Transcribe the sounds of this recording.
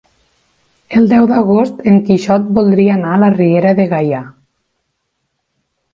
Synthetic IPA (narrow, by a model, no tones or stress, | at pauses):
elˠd̪ɛwd̪aɣost̪eŋkiʃɔt̪̚bolˠd̪ɾianalarieɾaðeɣaja